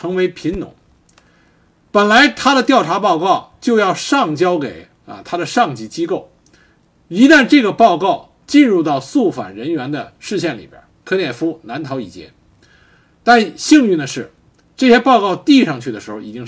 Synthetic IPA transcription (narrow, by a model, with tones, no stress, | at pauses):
ɤ˧˥ŋwe˧˥ɪpʰi˧˥nnʊ̰˨˩˦ŋ | pə˨˩nla˧˥ɪt̪ʰa˥ɾə˨t̪jɑ˥˩ʊʈ͡ʂʰa˧˥pɑ˥˧ʊkɑ˥˩ʊt͡ɕjo˥˧ʊjɑ˥˧ʊʂɑ˥˩ŋt͡ɕjɑ˥ʊke˨˩ɪ | ə̰˧t̪ʰa˥d̪ə˨ʂɑ˥˩ŋt͡ɕi˧˥t͡ɕi˥ko˥˩ʊ | i˧˥t̪a˥˧nʈ͡ʂɤ˥˩ɡə˩pɑ˥˧ʊkɑ˥˧ʊ | t͡ɕi˥˧nɻu˥˧t̪ɑ˥˧ʊsu˥˩fa̰˨˩nɻə˧˥nɥɛ˧˥nd̪ə˧ʂɻ̩˥˧ɕ̬jɛ˥˩nlḭ˨˩bjɐ̰˧˥kʰɤ˥njɛ˥˩fu˥na˧˥nt̪ʰɑ˧˥ʊḭ˨˩t͡ɕjɛ̰˥n | t̪a˥˧nɕi˥˧ŋly˥˩nə˩ʂɻ̩˥˩ | ʈ͡ʂɤ˥˩ɕjɛ˥pɑ˥˧ʊkɑ˥˧ʊt̪i˥˧ʂɑ˥˧ŋt͡ɕʰy˥˩d̪ə˩ʂɻ̩˧˥xo˥˧˩ḭ˨˩t͡ɕi˥ŋ